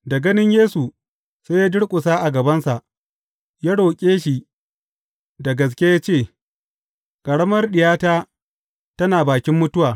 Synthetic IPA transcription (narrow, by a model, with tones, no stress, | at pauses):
da˨ɡɐ˦nɪ˦ɲjeː˦su˨ | seː˦jaː˦dʊ˦ɽkʷʼʊ˨saː˦ʔa˨ɡɐ˨bɐ˦nsa˨ʔ | jaː˦ɽo˨kʲʼeː˦ʃi˨ | da˨ɡɐ˨s̬kʲe˦jaː˦t͡ʃeː˦˨ | kʼɐ˨ɽɐ˦mɐ˦rɗɪ˨jaː˦taː˦ | tɐ˦naː˨baː˨kʲɪ˦mːʊ˦tʊ˦waː˨